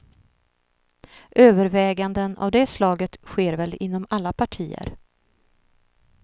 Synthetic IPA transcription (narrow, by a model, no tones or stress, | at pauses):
ʔøːvəɾvɛːɡand̪əna̰vd̪ɛslɑːɡət̪ɧeːɾvɛlɪn̪ːɔmalːapʰaʈʰiːə̰ɾ